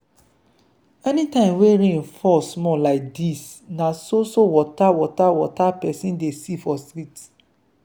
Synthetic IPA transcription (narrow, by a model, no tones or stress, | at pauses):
ɛnĩtãɪ̃mweɾẽnfɔsmɔlaɪk̚disnãsosowɔtawɔtawɔtapɛsĩndesifɔstɾit